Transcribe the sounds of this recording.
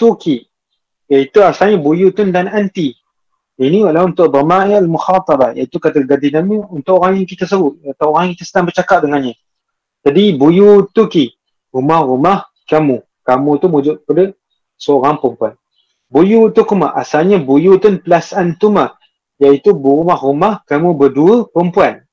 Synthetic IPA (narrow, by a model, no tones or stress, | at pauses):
t̪uki | jait̪uasalɲabujut̪ʊndanant̪i | inialaunt̪ʊʔd̪ɔmaʔialmuxat̪ˤɑbaja̰it̪ukat̪aɡad̪inamiunt̪ʊʔoɾaŋjaŋkit̪əsəbʊt̪̚t̪aoɾaŋkit̪asənaŋbərt͡ʃakaʔ̚dəŋanɲa | d͡ʒadibujut̪uki | ɾumahɾumah | kamu | kamũt̪umud͡ʒʊt̚padə | səoɾaŋpəmpuan | bujut̪ukuma̰ʔa̰salɲabujut̪ʊnpəlasant̪umah | jait̪ubɾumahrumahkamũbəduəpəmpuan